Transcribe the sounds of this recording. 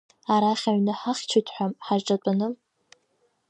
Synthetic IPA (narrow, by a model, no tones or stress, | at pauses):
aɾaχʲaɥnɨħaχʲt͡ʃʷʰʊtʰʼħʷᶣamħaʒʈ͡ʂʼat͡pʷʼanɨl